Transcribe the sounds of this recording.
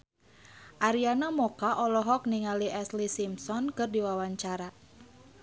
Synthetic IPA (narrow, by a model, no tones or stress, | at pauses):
ʔaɾianamɔkaʔɔlɔɦɔk̚niŋaliʔɛslisimsɔnkɨrdiwawaɲt͡ʃaɾa